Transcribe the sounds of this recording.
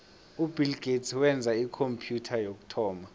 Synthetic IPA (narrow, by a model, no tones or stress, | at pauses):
ubʱilɡ̥ʱetswɛnd͡zʱaikʰompʰjutʰajok̬u̥tʰɔːma